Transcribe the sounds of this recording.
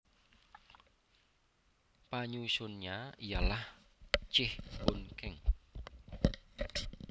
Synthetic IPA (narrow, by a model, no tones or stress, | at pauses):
paɲusʊnɲaijalaht͡ʃɪhb̥onkɛŋ